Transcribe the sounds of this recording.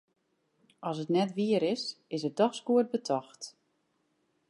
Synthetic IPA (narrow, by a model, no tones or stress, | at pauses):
ʔɔs̬ətnɛtʋiəɾɪsɪsət̚dɔxskuət̚bətʰɔxt